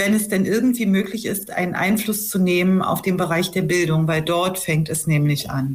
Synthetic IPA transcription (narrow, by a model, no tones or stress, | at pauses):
vɛnɛsd̥ɛnʔɪɐɡŋ̩tv̥iːmøːklɪçɪstʔa̰ɪnənʔa̰ɪnflʊst͡suneːməna̰ʊfd̥eːnbəʁaɪçd̥eːɐbɪldʊŋvaɪldɔɐtfɛŋ̚tɛsnɛːmlɪçʔa̰n